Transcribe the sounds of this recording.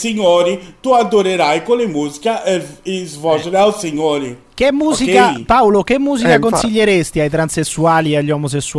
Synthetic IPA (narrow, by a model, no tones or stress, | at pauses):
siɲoɾɪt̪uad̪oɾeɾajkolɪmuzikaʔɛɪzvɔʒeɾawseɲoɾɪ | k̟emːuːzikapawlok̟emːuːzikakonsiʎːeɾest̪iajt̪ɾansesːuaːliɛaʎːɔmos̬esːu